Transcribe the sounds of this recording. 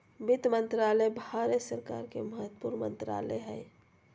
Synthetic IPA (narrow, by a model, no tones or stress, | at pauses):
bɪt̪mə̃nt̪ɾaləbʱaɾesəɾka̰ɾkeməɦət̪ːpuɾnmə̰̃nt̪ɾa̰ːlɛ̰ɦɛ̰